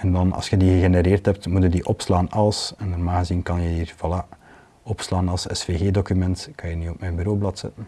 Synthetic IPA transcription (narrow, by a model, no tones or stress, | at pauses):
ɛndɑnɑ̰lˠsxədiɣəɣeneɾeːrthɛp̚tmutədiʔɔpslaːnɑlˠsɛnənaːɣəzinkɑnjəiːrv̥ɑla | ɔpslaːnɑlˠsɛsfeːɣeːdokymɛntkɑnjəniɔp̚mɛjnbyɾoːblɑtsɛ̰tən